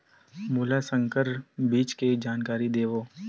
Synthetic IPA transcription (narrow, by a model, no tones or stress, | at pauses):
muːlasə̃ŋkəɾbiːt͡ʃked͡ʒaːnkaːɾid̪eːʋoː